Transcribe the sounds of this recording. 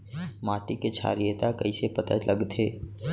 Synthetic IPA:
maːʈiket͡ʃʰa̰ɾijət̪akəɪsepət̪ə̰tlʔəɡt̪ʰe

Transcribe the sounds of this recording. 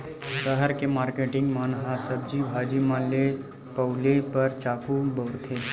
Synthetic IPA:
ʃəɦəɾkemaːɾkeːʈɪ̃ŋɡmaːnɦasəb̚d͡ʒibʱaːd͡ʒimãle | pɐʊlepɐɾt͡ʃaːkʰubəʊɾt̪ʰe

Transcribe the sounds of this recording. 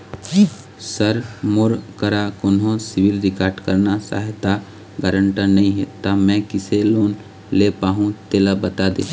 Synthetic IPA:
səɾmʊɾkəɾakonɦõsɪʋɪlɾɪkaːɾɖkəɾnasa̰ːɦt̪a | ɡaːɾə̃ɳʈənɐĩɦɛt̪amɛ̃kɪseloːn | lepaːɦũt̪eːlabɐt̪aːd̪eː

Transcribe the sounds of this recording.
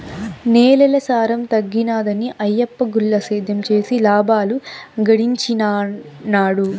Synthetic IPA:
neːlɛlɐsaːɾɐmt̪ɐɡːinaːd̪ɐniʔɐjːɐpːɐɡulːɐseːd̪ʱɐmt͡ʃe̞ːsilaːbʱaːluɡɐɽiɲt͡ʃin | naːɽu

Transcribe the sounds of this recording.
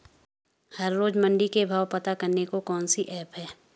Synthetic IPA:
hɐɾːoːd͡ʒmɐ̃ɳɖikebʱaːwpɐt̪akɐɾnekokɔːnsiʔɛːpɦɛː

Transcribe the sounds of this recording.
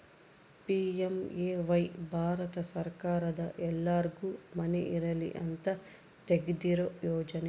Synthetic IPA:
piːemeːʋɐjbʱaːɾɐt̪ɐsɐɾkaːɾɐd̪ɐʔɛlːaːɾɡumɐniʔiɾɐlḭʔɐnt̪ɐ | t̪eɡd̪iɾojɔːd͡ʒɐni

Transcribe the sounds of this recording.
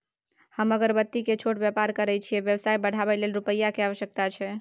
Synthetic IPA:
həməɡəɾbət̪ːiket͡ʃʰoʈbjəpaɾkəɾɛt͡ʃʰiɛʋjəbsajbəɽ̤ʱabɛlelɾupəjːakeaʋəʃjək̚t̪at͡ʃʰɛ

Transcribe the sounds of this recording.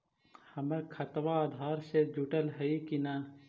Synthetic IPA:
hɐmekʰɐt̪ʋaːd̪ʱaːɾsed͡ʒuʈəlɦɐikinaːn

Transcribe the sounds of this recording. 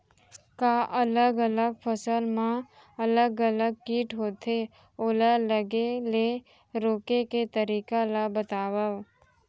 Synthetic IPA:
kaːʔɐləɡələɡpʰəsəlmã | ɐləɡələɡ̚kiːʈɦoːt̪ʰe | oːlaləɡele | ɾoːkeket̪əɾiːkalabət̪aːwə

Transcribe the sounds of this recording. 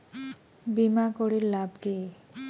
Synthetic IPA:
bimakoɽiɾlabʈi

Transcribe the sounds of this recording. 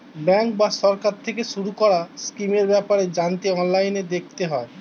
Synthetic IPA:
bɛŋkbaʃɔɾkaɾt̪ʰekeʃuɾukɔɾaskimeɾbɛpaɾed͡ʑant̪eɔnlajned̪ek̚ʰt̪eɦɔe

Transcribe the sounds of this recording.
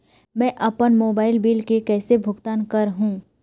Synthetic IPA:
mɛ̃ːʔɐpənmoːbaːɪlbiːlkekɛːsebʱʊɡt̪aːnkɐɾɦũː

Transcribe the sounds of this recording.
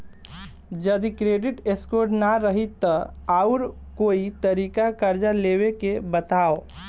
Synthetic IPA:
d͡ʒəd̪ikɾeːɖɪʈeskoːɾʈnaɾəɦit̪ːəaʊɾ | koːit̪əɾiːkakəɾd͡ʒaleːwekebət̪aːo

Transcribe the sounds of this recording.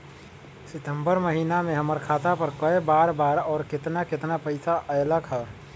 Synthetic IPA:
sɪt̪ə̃mbəɾməɦiːnamẽɦəməɾkʰaːt̪apəɾkəebaːɾbaːɾɔːɾkɪt̪nakɪt̪napəɪsaʔəjləkʰɦɛ

